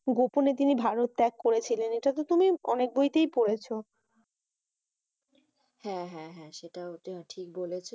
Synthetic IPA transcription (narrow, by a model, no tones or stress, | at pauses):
ɡoponet̪̬inibʱaɾot̪ːɛkːoɾet͡ɕʰileneʈat̪ot̪umiɔ̰nek̚bojt̪ejpoɽet͡ɕʰo | hɛ̃ɦɛ̃ɦɛ̃ʃeʈaoʈʰik̚bolet͡ɕʰe